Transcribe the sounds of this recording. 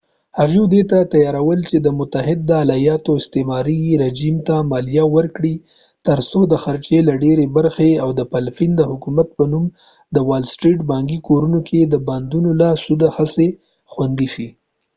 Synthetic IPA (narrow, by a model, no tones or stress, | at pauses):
haɣid̪et̪at̪ajɑɾawəlt͡ʃed̪əmʊt̪aɦɪd̪̚ːəalajɑt̪oɪst̪emɑɾiɾed͡ʒimt̪amɑlijawəɾkɽi | t̪əɾsod̪əxaɾt͡ʃelaɖeɾebaɾxeawd̪əpalfind̪əhʊkumat̪̚pənum | d̪əwalsʈɾiʈbɑŋɡikoɾunokʰed̪əband̪unolasud̪ahase | xwand̪iʃi